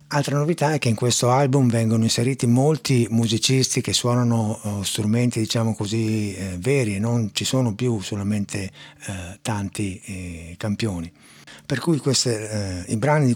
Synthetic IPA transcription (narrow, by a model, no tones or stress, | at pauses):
alt̪ɾanovit̪aɛkːeiŋkwest̪oalbumvɛŋɡonoinseɾiːt̪imolt̪imuzit͡ʃist̪ik̟esːwɔːnanost̪ɾument̪id̪it͡ʃaːmokozivɛːɾienːont͡ʃisoːnopjusolament̪ʰe | t̪ant̪ikampjoːni | perkujkwest̪eibɾanid̪i